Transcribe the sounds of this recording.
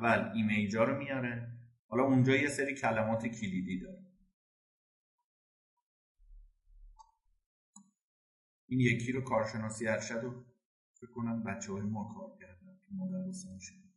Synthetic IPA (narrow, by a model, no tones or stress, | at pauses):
vælimejd͡ʒɒːɾomijɒːɾehɒːlɒːund͡ʒɒːje̞seɾiːcʰælæmɒːt̪ʰecʰilid̪iːd̪ɒːɾe | ʔiːnjecʰiːɾokʰɒːɾʃe̞nɒːsijæɾʃæd̪o | fekʰːonænbætt͡ʃʰːehɒːjemɒːkʰɒːɾcʰæɾd̪ænimod̪æɾbosemiʃe̥